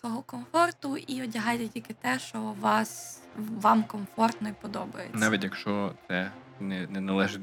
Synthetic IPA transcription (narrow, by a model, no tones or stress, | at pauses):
sʋɔɦɔkɔmfɔrt̪ʊiɔdʲɐɦɑjt̪ɛtʲilʲkɪt̪ɛʃt͡ʃɔʋɑs | ʋɑmkɔmfɔrt̪nɔjpɔd̪ɔbɐjḛnʲɑʋʲitʲjɐkʃt͡ʃɔt̪sɛ | nɛnɛnɐlˠɛʒɪ